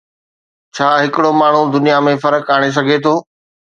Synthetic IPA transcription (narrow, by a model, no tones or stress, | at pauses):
t͡ɕʰaːɦɪkɪɽomaːɳ̤ud̪ʊnijamẽfɐɾəkaːɽ̃es̬ɐɡʱet̪ʰoː